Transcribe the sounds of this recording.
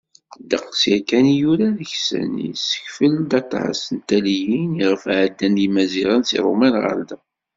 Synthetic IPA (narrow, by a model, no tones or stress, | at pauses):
d̪əqːsjækænjuɾaðəçsə̰nḭsə̥çfəld̪ɑt̪ˤːʕə̰sənt̪ælijiniʁəfʕəd̪ːænimæziʁənsḭɾˤṵmænʁə̰ɾd̪æ